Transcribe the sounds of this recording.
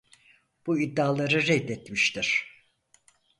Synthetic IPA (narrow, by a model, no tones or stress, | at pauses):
b̥uid̪ːaːlˠaɾɯɾɛjd̪ɛt̪miʃt̪ʰiɾ̥